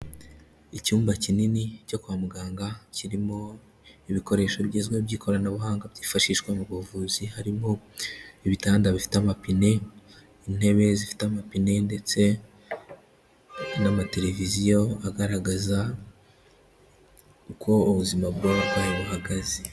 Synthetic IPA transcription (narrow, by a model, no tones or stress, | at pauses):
icuːmbacininico̞kuamuɡaːŋɡaciɾimo̞ | iβiko̞ɾe̞ːʃoβɟiːzɡweβɟiːkʰo̞ɾanaβuhaːŋɡabɟiːfaʃiːʃkwamuɡovuzihaɾimo̞iβitaːndaβifi̥tamapine̞ | in̥he̞βe̞zifi̥tamapine̞nde̞t͡se̞ | namate̞ɾe̞vizijo̞aɡaɾaɡaza | uko̞uβuzimaβɡoaβuhaɡaze